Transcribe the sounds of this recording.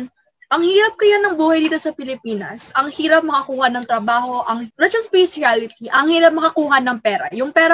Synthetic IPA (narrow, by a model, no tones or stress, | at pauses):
ʔɐŋhiːɾɐp̚kɐjanɐŋbuːhɐjd̪iːt̪o̞sɐpɪlɪpiːnɐ̰sɐŋhiːɾɐp̚mɐkɐkuːhɐnɐŋt̪ɾɐbaːho̞ʔɐŋɾɐt͡ʃɐspɛsɪalɪt̪iʔɐŋhiːɾɐp̚mɐkɐkuːɦɐnɐŋpɛːɾɐ̰jʊŋpɛːɾɐ